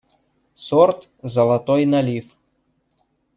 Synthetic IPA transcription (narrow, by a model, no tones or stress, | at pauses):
sɔrt̪ | zɐlˠɐt̪ɔjnɐlʲif